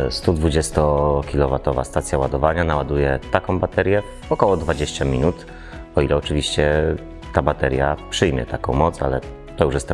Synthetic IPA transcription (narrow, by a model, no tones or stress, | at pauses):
st̪ud̪vud͡ʑɛst̪ɔkʲilɔvat̪ɔva̰st̪at̪sʲjawad̪ɔvaɲanawad̪ujɛt̪akɔ̃w̃bat̪ɛɾjɛ | ɔkɔwɔd̪vad͡ʑeɕt͡ɕamʲinut̪ | ɔilɛɔt͡ʂɘvʲiɕt͡ɕɛ | t̪abat̪ɛɾjapʂɘjmʲjɛ̰t̪akɔ̃w̃mɔt̪sa̰lɛ | t̪ɔjuʂjɛs